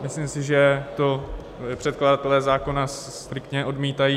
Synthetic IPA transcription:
mɪslimsɪʒɛt̪o̞ | pr̝̥ɛt̪kladat̪ɛlɛːzaːko̞nas | t̪ɾɪkt̪ɲɛʔo̞dmiːt̪ajiː

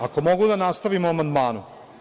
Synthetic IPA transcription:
akomoɡud̪anaːst̪ɐʋimoamɐnd̪maːnu

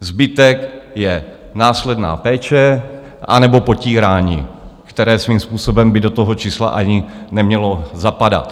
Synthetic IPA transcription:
zbɪt̪ɛkjɛ | naːslɛdna̰ːpɛːt͡ʃɛ | ʔa̰nɛbo̞po̞ciːɾaːɲḭːkt̪ɛɾɛːsviːmspuːso̞bɛmbɪdo̞t̪oɦo̞t͡ʃiːsla̰ʔaɲɪnɛmɲɛlo̞zapada̰t̪

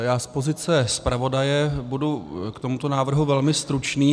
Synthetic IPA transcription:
jaːspo̞zɪt͡sɛspɾavo̞dajɛbudukt̪omut̪o̞naːvr̩ɦuvɛlmɪst̪ɾut͡ʃniː

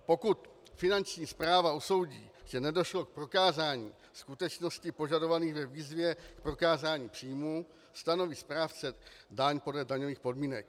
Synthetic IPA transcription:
po̞kut̪fɪnant͡ʃɲiːspɾaːvauso̞wɟḭːʒ̥ɛnɛdo̞ʃlo̞k̚pɾo̞kaːzaːɲḭː | skut̪ɛt͡ʃno̞scɪpo̞ʒado̞vaniːɣvɛviːzvjɛkpɾo̞kaːzaːɲiːpr̥iːmu | st̪ano̞viːspɾaːft͡sɛdaɲpo̞dlɛdaɲoviːxpo̞dmiːnɛk̚

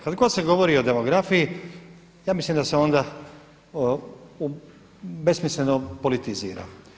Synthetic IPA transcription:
kad̪ɡo̞d̪se̞ɡo̞ʋo̞ɾio̞d̪e̞mo̞ɡɾafiji | jaːmislimd̪aseo̞nd̪a | u | be̞smisle̞nopo̞lit̪izḭːɾa̰

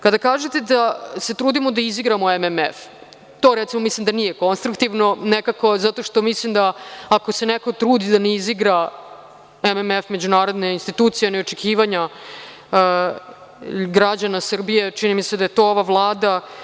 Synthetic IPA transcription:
kad̪akaːʒet̪ed̪ase̞t̪ɾuːd̪imod̪aiziɡɾamo̞ememef | t̪o̞ːɾet̪simo̞mislimd̪anije̞ko̞nst̪ɾukt̪iʋno̞nekako̞zat̪o̞ʂt̪o̞mislimd̪aːko̞se̞neko̞t̪ɾuːd̪id̪aneiziɡɾa | ememefme̞d͡ʑunaːɾo̞d̪neinst̪it̪uːt̪sijenio̞t͡ʃekʰiːʋaɲa | ɡɾad͡ʑanasr̩bije̞t͡ʃinimised̪ajet̪o̞ːoʋaʋlˠaːd̪a

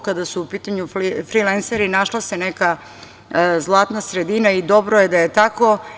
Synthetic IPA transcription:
kad̪asuupiːt̪aɲufɾilenseɾinaʃlˠaseneka | zlˠaːt̪nasɾed̪inaid̪o̞bɾojed̪ajet̪ako̞

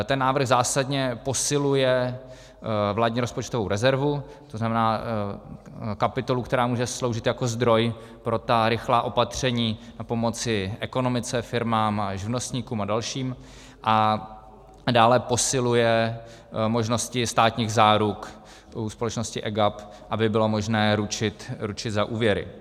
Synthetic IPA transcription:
t̪ɛnːaːvɾr̩ɣzaːsadɲɛpo̞sɪlujɛ | vlaːdɲiːɾo̞spot͡ʃt̪ovo̞wɾɛzɛɾvu | t̪oznamɛnaː | kapɪt̪o̞lukt̪ɛɾaːmuːʒɛslo̞wʒɪt̪jako̞zd̪ɾo̞j | pɾo̞t̪aɾɪxlaːʔo̞pat̪r̝̥ɛɲiːnapo̞mo̞t͡sɪʔɛko̞no̞mɪt͡sɛfɪɾmaːmʒɪvno̞st̪ɲikuːmadalʃiːm | ʔa | daːlɛpo̞sɪlujɛ | mo̞ʒno̞scɪst̪aːt̪ɲiːɣzaːɾuk | uspolɛt͡ʃno̞scɪʔɛɡap | ʔabɪbɪlo̞mo̞ʒnɛːɾut͡ʃɪt̪ɾut͡ʃɪt̪zaʔuːvjɛɾɪ̰

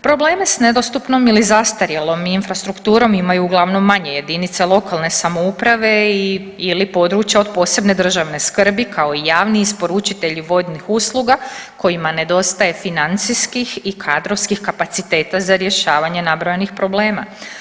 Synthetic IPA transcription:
pɾo̞ble̞ːme̞sne̞d̪o̞st̪upno̞milizast̪aɾjelo̞miːnfɾast̪ɾukt̪uːɾo̞mimajuːɡlˠaʋno̞mːaɲe̞je̞d̪init̪selˠo̞kalˠne̞samo̞upɾaʋe̞i | ilipo̞d̪ɾuːt͡ʃjao̞d̪po̞ːse̞bne̞d̪r̩ʒaʋne̞skər̩bikʰao̞ijaːʋniispo̞ɾut͡ʃit̪e̞ʎiʋo̞d̪nixuslˠuɡako̞imane̞d̪o̞st̪aje̞finant̪siskixikʰad̪ɾoʋskixkapat̪sit̪e̞ːt̪azaɾje̞ʃaːʋaɲe̞nabɾojenixpɾo̞ble̞ːma̰

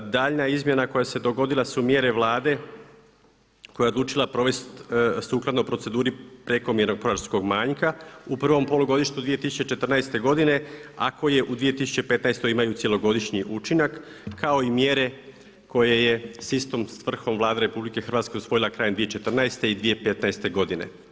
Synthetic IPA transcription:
d̪aːʎnaizmjenako̞jase̞d̪o̞ɡo̞d̪ilˠasumje̞ɾe̞ʋlˠaːd̪e̞ | kojao̞d̪lˠuːt͡ʃilˠapɾo̞ʋe̞st̪suːklˠad̪no̞pɾose̞d̪uːɾipɾe̞ko̞mjeɾnopoɾaɾsko̞ɡmaːɲkaupr̩ʋo̞mpo̞luɡo̞d̪iʃt̪ud̪ʋije̞t̪isu̥t͡ɕe̞t͡ʃe̞t̪r̩najst̪e̞ɡo̞d̪ine̞a̰ko̞je̞ʔud̪ʋije̞t̪isu̥t͡ɕepe̞t̪naest̪o̞jimajusje̞lo̞ɡo̞d̪iʃɲiʔut͡ʃinakː | ao̞imjeɾe̞ | ko̞je̞je̞sist̪o̞msʋr̩xo̞mʋlˠaːd̪eɾe̞publike̞xrʋaːt̪ske̞usʋo̞jilakɾaːjend̪ijet͡ʃe̞t̪r̩naest̪e̞id̪ʋije̞pe̞t̪naest̪e̞ɡo̞d̪ine̞̰

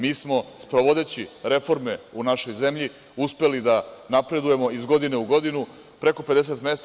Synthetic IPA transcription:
miːsmo̞spɾoʋo̞d̪e̞t͡ɕiɾe̞fo̞ɾme̞unaʃo̞jze̞mʎi | uspe̞lid̪anapɾe̞d̪uje̞mo̞izɡo̞d̪ine̞uɡo̞d̪inu | pɾe̞ko̞pe̞d̪e̞s̬e̞t̪me̞st̪

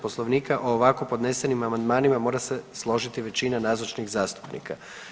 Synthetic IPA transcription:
po̞slˠo̞ʋniːkaʔoːʋako̞po̞d̪ne̞se̞nimamand̪maːnimamo̞ːɾase̞slˠo̞ʒit̪iʋe̞t͡ɕinanaːzot͡ʃniɣzaːst̪u̥pnḭka

